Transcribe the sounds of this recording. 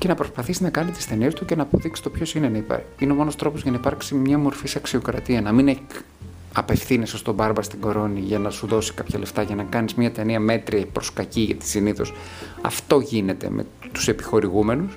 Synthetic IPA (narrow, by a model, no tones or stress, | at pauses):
ce̞nɐpɾo̞spɐθisinɐkɐnit̪i̥st̪e̞niest̪uce̞nɐːpoðiksi̥t̪opço̞sine̞nɐipɐ̰ | ineomo̞nost̪ɾo̞pozʝɐnɐipɐɾksimɲɐmo̞ɾfisɐksio̞kɾɐt̪iɐnɐmine | ɐpe̞fθinesost̪o̞bɐɾbɐst̪iɡo̞ɾo̞niʝɐnɐsuðo̞si̥kɐpçɐleft̪ɐʝɐnɐkɐnizmɲɐt̪eniɐmet̪ɾiɐpɾo̞skɐciʝɐ̰t̪i̥siniθo̞s | ɐ̰ft̪o̞ʝine̞t̪e̞̰mʔḛ | t̪u̥se̞pi̥xo̞ɾiɣume̞nus